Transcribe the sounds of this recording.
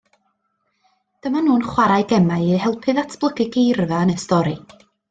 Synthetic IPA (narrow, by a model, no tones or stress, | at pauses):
d̥əmanuːnχwaɾajɡɛmaɨiɦɛlˠpʰɨðatʰb̥lˠəɡɪɡejrvanəstɔɾi